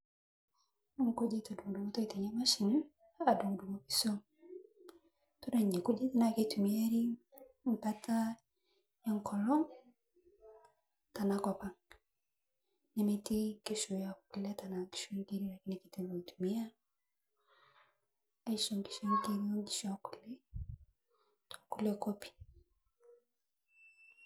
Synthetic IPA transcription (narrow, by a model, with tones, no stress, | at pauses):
ŋ˨ko˦d͡ʒe˦tɔ˨du˨ŋ˨du˨mo˦tɔ˦i˨tɛ˨ɲa˦ma˦ʃi˨n˦ | a˨du˨ŋ˨du˨mɔ˦pi̥˨so˦ŋ | to˦na˨ɲe˨ku˦d͡ʒe˦ta˦na˨ke˦tu˨mi˦a˦ɾi˦ | ŋ̩˨ka˦ta˦ | ja˦ŋ˨kɔ˨lɔ˦ŋ | ta˨na˦kɔ˨pa˨ŋ | ni˨miti˦ke˦ʃu˨ja˨k̚u˨lɛta˨naki̥˨ʃu˦ndi˦ɾila˨ki˦nikiti˦ɡo˨i˨tu˨mi˦a˦ | a˨iʃɔŋɡi̥ʃɔɾikeɾiɔŋɡi˦ʃaku̥˨lɛ˦ | tɔ̥˨ku˦lɛkɔ˦pi̥